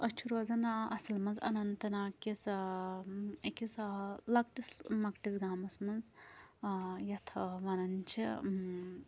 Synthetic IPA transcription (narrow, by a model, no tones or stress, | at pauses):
ɐt͡ʃʰuɾoːzɐnɐ̰sɐlmɐnzɐ̰nɐnt̪ɐnaːkis | ekislɐk̚ʈismɐkʈisɡaːmɐsmɐnz | jɐt̪ʰɐʋɐnɐnt͡ʃʰḭ